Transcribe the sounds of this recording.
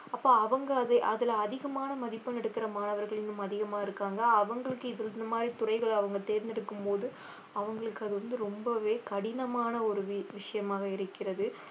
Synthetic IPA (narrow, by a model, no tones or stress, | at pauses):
ɐpːoːɐʋɐŋɡɐːðɐɪʔɐðɪlɐðɪɣɐmaːnɐmɐðɪpːɐnɛɽɯkːɪɾɐmaːnɐʋɐɾɣɐɭɪnːɯmɐðɪɣɐmaːɪɾɯkːaːŋɡɐːʋɐŋɡɐɭɯkːɯɪðɐlnd̪ɐmaːd̪ɾit̪ʊrɐɪɣɐɭɐʋɐŋɡɐt̪eːɾnd̪ɪɽɯkːɯmpoːðɯ | ɐʋɐŋɡɐɭɯkːɐðɯʋɐnd̪ɯɾɔmbɐʋeːkɐɽɪnɐmaːnɐɔɾɯʋɪʋɪʂɐjɐmaːɣɐɪɾɯkːɪrɐðɯ